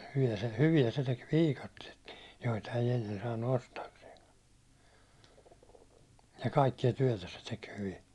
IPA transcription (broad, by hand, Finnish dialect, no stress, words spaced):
hyʋiæ hyʋiæ se tek ʋiːkɑtːietkin̞ joitɑ ei enːen sɑːnːu ostɑːkseːŋkɑ̥ jɑ kɑikːiɑ tyæ̹tæ se tek hyʋi